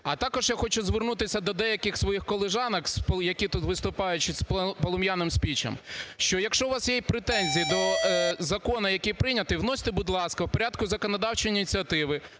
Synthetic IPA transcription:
ɐt̪ɑkɔʒjaxɔt͡ʃʊzʋɪrnut̪ɪsʲɐd̪ɔd̪ɛjɐkɪxsʋɔjixkɔlˠeʒɑnɐkspjɐkʲit̪ut̪ʋɪst̪ʊpɑjʊt͡ʃɪsppɔlˠɔmjanɪmsʲpʲit͡ʃɐ̰mʃt͡ʃɔjɐkʃɔʋɑsjɛjpɾɪt̪ɛnʲzʲijid̪ɔzɐkɔnɐjɐkʲipɾɪnʲɐt̪ɪwnɔsʲɪ̥t̪ɪbʊd̪lˠɑskɐwpɔɾʲad̪kʊzɐkɔnɐd̪ɑwt͡ʃiinʲit̪ʲt͡sʲiɐt̪ɪʋɪ

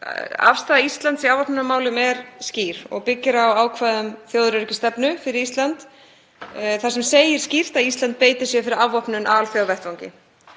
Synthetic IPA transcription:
a̰fst̪aːðaist̪lant̪siawvɔpnʏnamaːwlʏmɛɾsciːɾ̥ɔ̰ɣpɪcːɪɾawaːwkʰvaːðʏmθjoːwðɾʏɾʏcɪst̪ɛpnʏfɪɾɪɾist̪lant̪ | θasɛmseːjɪɾ̥scir̥t̪aðist̪lant̪̚peːjt̪ɪɾ̥sjɛfɪɾɪɾavɔpnʏnʔa̰alθjawðvɛht̪vawɲcɪ̰

